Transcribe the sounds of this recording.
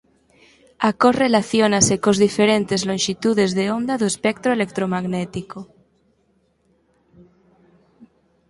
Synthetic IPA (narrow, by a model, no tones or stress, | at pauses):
akorelaθjonasekozðifeɾent̪ezlõnʃit̪uðezðeond̪aðoespek̚t̪ɾoelek̚t̪ɾomaɣnet̪iko